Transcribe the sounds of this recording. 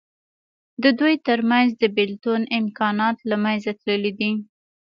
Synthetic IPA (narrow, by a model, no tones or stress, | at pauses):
d̪əd̪ujt̪əɾmanzd̪əbɪlt̪onɪmkɑnɑt̪lamanzat̪ləlid̪i